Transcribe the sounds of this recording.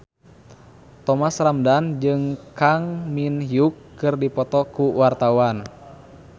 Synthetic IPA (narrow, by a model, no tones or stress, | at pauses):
t̪ɔmasramdand͡ʒɨŋkaŋminɦiukːɨrdipɔt̪ɔkuwart̪awan